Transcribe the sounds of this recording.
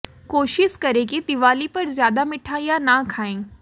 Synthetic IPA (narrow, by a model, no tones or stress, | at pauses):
koɕiʃkəɾek̬id̪iʋalipəɾzjad̪amiʈʰajanakʰaẽ